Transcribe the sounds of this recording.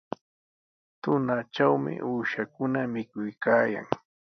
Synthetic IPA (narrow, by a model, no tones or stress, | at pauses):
t̪ʊnat͡ʃawmɪ̰ʔuːʃakʊnamɪkʊjkaːja̰ŋ